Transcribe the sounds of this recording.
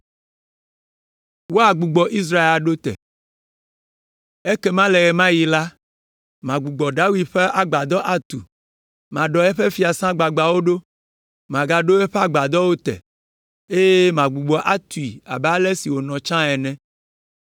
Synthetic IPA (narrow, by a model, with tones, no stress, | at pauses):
wo˦a˨ɡ͡bu˨ɡ͡bɔ˨ʔi˦s̬ɾa˦e˦la˨ɖo˦t̪ɛ̰˨ | e˦ke˦mã˦lɛ˨ɣɛ˨mã˦ji˨la˦ | mã˨ɡ͡bu˨ɡ͡bɔ˨ɖa˦wi˦d̪ɸe˦ʔa˨ɡ͡ba˨d̪ɔ˦ʔa˦t̪ṵ˨ | mã˨ɖɔ˨ɛ˦ɸe˦fi˦a˨sã˦ɡ͡ba˨ɡ͡ba˨wo˦ɖo˦ | mã˨ɡa˨ɖo˦ɛ˦ɸe˦a˨ɡ͡ba˨d̪ɔ˦wo˦t̪ɛ̰˨ | e˦je˦mã˨ɡ͡bu˨ɡ͡bɔ˨ʔa˦t̪u˨i˨a̰˨ba˦lɛ˦si˨wo˨nɔ̃˨t͡ʃã˦ɛ˨nɛ̃˦